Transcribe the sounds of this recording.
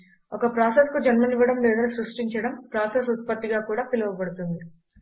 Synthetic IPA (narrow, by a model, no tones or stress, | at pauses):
ɔkɐpɾaːseskud͡ʒɐnmɐniʋɐɽɐmleːd̪ɐlusɾuʂʈiɲt͡ʃɐɽɐmpɾaːsesut̪̚pɐt̪ːiɡaːkuːɽaːpilɐʋɐpɐɽut̪und̪i